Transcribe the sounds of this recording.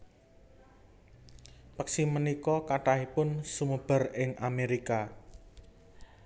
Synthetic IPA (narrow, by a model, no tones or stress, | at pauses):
pəksimənikɔkaʈaɦipʊnsumub̥ə̤rɪŋʔameɾika